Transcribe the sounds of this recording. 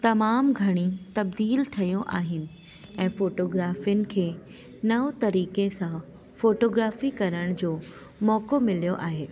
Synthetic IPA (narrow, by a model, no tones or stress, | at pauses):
t̪ɐmaːmɡʱɐɽ̃it̪ɐb̚d̪iːlt̪ʰɐjoʔaːɦɪnɪ̆ | ɛ̃ːfoːʈoːɡɾaːfijʊnɪ̆kʰeː | nɐʋot̪ɐɾiːkesã | foːʈoːɡɾaːfikɐɾəɽ̃d͡ʑoː | mɔːkomɪlijoʔaːɦeː